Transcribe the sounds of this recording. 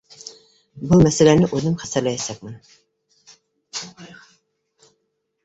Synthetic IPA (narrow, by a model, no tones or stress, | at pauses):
bumɛsɛlænɪʔøzɪmχæsæɾlɛjɛsɛk̚ʲmɪn